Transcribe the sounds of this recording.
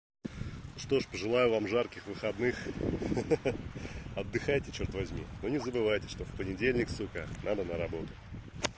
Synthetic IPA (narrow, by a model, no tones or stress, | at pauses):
ʂt̪o̞ʂpəʐɨlˠajʊvamʐarkʲɪxvɨxɐd̪nɨx | ɐd̪ːɨxajtʲɪt͡ɕort̪vɐzʲmʲḭnonʲɪzəbɨvajtʲɪ̥ʂt̪o̞fpənʲɪdʲelʲnʲɪksukə̰nad̪ənəɾɐbo̞t̪ʊ̥